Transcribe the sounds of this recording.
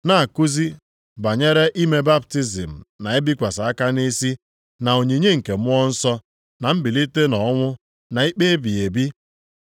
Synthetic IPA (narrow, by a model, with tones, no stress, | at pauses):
na˦˨a˨ku˦zi˦ | ba˨ɲe˦ɾe˦ʔi˦me˦ba˦p̚ti˦zi˨m̩˨na˨e˦bi˦kʷa˨sa˨a˦ka˦ni˦si˦ | na˨o˨ɲe˨ɲe˦ŋ̩˨ke˨m˦ɔ˦n̩˦sɔ˦ | na˨m̩˦bi˨li˦te˦nɔ˨˦ŋʷʊ˦ | na˨i˦k͡pe˦e˦bi˨e˨bi˦